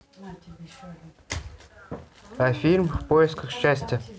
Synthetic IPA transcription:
ɐfʲilʲmfpojɪskəxɕːæsʲtʲɪ

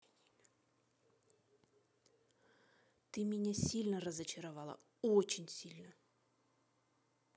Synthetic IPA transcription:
t̪ɨmʲɪnʲasʲilʲnəɾɐzɐt͡ɕɐɾavalˠɐ̰ | ɔt͡ɕɪnʲsʲilʲnɐ

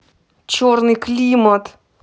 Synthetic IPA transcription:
t͡ɕornɨklʲimət̪

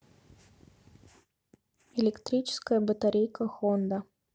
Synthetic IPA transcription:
ɛlʲɪkt̪ɾʲit͡ʃɪ̥skəjəbət̪aɾʲejkɐxɔnd̪ɐ

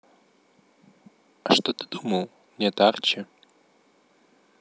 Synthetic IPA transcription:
aʂtotɨdumɐw | netart͡ʃʰa

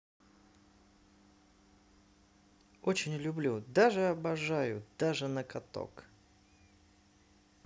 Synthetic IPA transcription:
ot͡ɕɪnʲlʲʊblʲud̪aʐɨɐbɐʐajʊd̪̥aʐɨnəkɐt̪o̰k

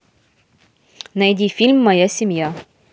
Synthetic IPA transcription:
nɐjdʲifʲilʲmːɐjasʲɪmʲja

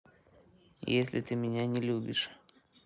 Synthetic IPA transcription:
jesʲlʲɪt̪ɨmʲɪnʲanʲɪlʲubʲɪʂ

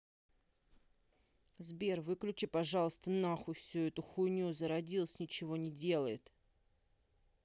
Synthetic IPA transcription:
zbʲervɨklʲʉt͡ɕɪpɐʐɑlˠəst̪ənaxʊfsʲuɛt̪ʊxʊnʲuzəɾɐdʲilˠəsʲnʲɪt͡ɕɪvo̞nʲɪdʲe̞lˠəjɪt̪

